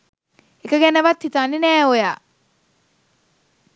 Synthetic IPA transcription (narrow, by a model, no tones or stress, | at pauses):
ekəɡɛnəʋat̪hit̪aninɛːojaː